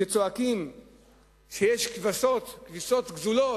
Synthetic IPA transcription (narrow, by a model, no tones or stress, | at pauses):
et͡soakim | ʃejeʃkvasot̪kvisot̪ɡzulo